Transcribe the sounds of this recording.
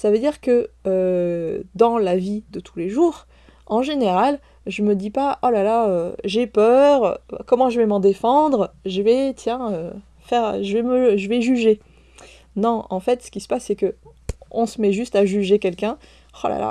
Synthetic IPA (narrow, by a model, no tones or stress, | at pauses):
savød̪iʁkəø | d̪ɑ̃lavid̪ət̪ʰuleʒuːʁ | ɑ̃ʒeneʁal | ʒəməd̪ipaʔolalaøʒepœʁ̰kɔmɑ̃ʒəvɛmɑ̃d̪efɑ̃d̪ʁʒəvɛt̪jɛ̃ø | fɛʁʒəvɛməʒəvɛʒyʒe | nɔ̃ɑ̰̃fɛt̪sə̥kʲisə̥pasːɛkəɔ̃səmɛʒyst̪aʒyʒekʲɛlkʲɛ̃ | χo̰la̰la̰